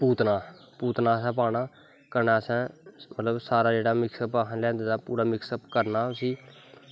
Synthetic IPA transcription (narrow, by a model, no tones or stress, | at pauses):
puːt̪naː | puːt̪naːs̬ɛ̃ːp̬aːɽ̃aː | kəɾnaːsɛ̃ːmət̪ləbsaːɾaːd͡ʒeːɽaːmɪksəpəɦlɛ̃ːnd̪eːd̪aːpuːɾaːmɪksəpkəɾnaːʊsiː